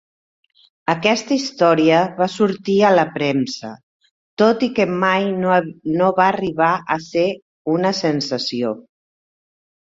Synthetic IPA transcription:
əkɛst̪əist̪ɔɾiəβasuɾt̪iələpɾɛmsə | t̪ot̪ikəmajnoβaːriβaʔəse | unəsənsəsio

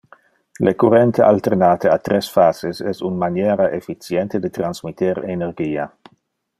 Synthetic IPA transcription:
lekurent̪eʔa̰lt̪eɾnaːt̪eat̪ɾesfazesɛsunmanjeɾaʔefit͡sjent̪ed̪et̪ɾanz̥mit̪eɾeneɾɡiːa

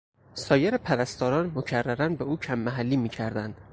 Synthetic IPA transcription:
sɒːjeɾepʰæɾæst̪ɒːɾɒːnmocʰærːæɾænbeuːcʰæmːæɦælːiːmiːcʰæɾd̪ænd̪̥

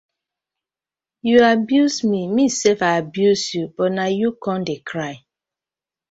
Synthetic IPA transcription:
juabjusmimisefaabjusjub̥ɔtnajukɔ̃ndekʰɹaɪ

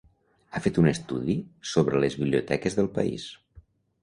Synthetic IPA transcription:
afet̪unəst̪uðisoβ̞ɾələzβiβliut̪ɛkəzðəlˠpə̰ḭs

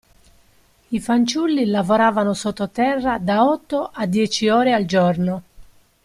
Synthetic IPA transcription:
ifant͡ʃulːilavoɾaːvanosot̪ːot̪ɛrːad̪aɔt̪ːoʔad̪ːjɛːt͡ʃiɔːɾeald͡ʒɔrno

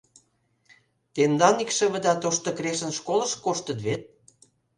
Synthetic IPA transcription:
t̪end̪ɑnikʃə̆βə̆d̪ɑt̪oʃt̪ŏkɾeʃə̆nʃkolə̆ʃkoʃt̪ə̆t̪βet̪̚

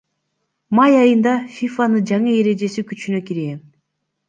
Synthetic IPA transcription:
mɑjɑjɯnd̪ɑfʲifanɯd͡ʒɑɴɯe̞ɾe̞d͡ʒe̞sikyt͡ʃynø̞kiɾen

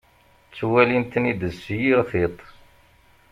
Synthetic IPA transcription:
t͡sːwælint̪nid̪əzsjiʁθit̪ˤ

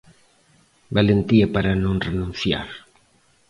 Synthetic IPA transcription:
balent̪iapaɾanõŋrenũn̟θja̰ɾ

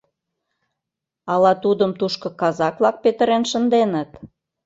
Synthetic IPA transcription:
ɑlɑt̪ud̪əmt̪uʃkɤ̆kɑzɑkβlɑk̚pet̪ə̆ɾenʃə̆nd̪enət̪

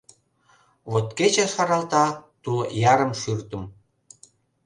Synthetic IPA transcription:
βot̪ket͡ɕeʃɑɾɑlt̪ɑt̪ujɑɾəmʃyrt̪ə̆m

